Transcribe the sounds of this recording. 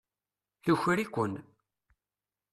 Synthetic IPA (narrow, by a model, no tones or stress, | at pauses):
θuçɾikʷːən